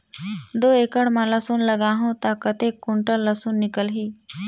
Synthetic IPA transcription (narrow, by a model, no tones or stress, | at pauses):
d̪oːeːkəɽmãləsunləɡaːɦũt̪akət̪eːkːʊɳʈəlːəsunːɪkəlɦiː